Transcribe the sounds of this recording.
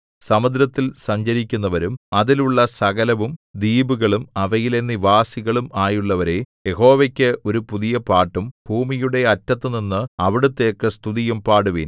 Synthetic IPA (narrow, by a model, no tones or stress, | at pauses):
sɐmɐd̪ɾɐt̪ːilsɐɲd͡ʑɐɾikʲːunːɐʋɐɾumɐðiluɭːɐsɐɣɐlɐʋumd̪iːbuɣɐɭumɐʋɐjile̞nːiʋaːsiɣɐɭumaːjuɭːɐʋɐɾe̞je̞ɦo̞ːʋekʲːɨʔo̞ɾupuðijɐpaːʈːumbʱuːmijuɽe̞ɐtːɐt̪ːɨninːɨɐʋiɽut̪ːe̞ːkːɨst̪uðijɐmpaːɽuʋiːn